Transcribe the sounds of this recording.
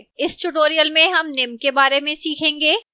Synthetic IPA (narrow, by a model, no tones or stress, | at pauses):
ɪsʈʊʈoːɾijəlmẽɦɐmnɪmkebaːɾemẽsiːkʰẽːŋɡeː